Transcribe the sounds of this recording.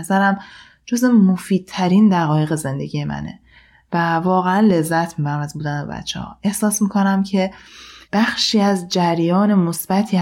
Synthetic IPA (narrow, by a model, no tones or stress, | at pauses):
zæɾæm | d͡ʒoze̞mofiːd̪̥̚t̪ʰːæɾind̪æɣɒːjeɣe̞ze̞nd̪e̞ɡɟije̞mʔæ̰nḛ | vævɒːɣeænle̞zːæt̪ʰmiːbæɾæmæzbuːd̪ænbe̞̰bæ̰t̪t͡ʃʰːḛhɒ̰ːʔe̞hsɒːsmiːkʰo̞næmcʰe̞b̥æxʃiːæzd͡ʒæɾjɒːne̞mosb̥æt̪ʰiː